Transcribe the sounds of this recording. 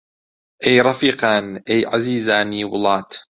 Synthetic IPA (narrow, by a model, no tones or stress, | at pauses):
ʔajɾˤɑfiːqɑːnʔajʕaziːzaːniːwʊlɑːt̪